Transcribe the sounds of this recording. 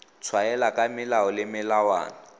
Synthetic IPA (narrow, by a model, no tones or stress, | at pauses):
t͡sʰwaɛlakʼamɪlaɔlɪmɪlawa̰ːna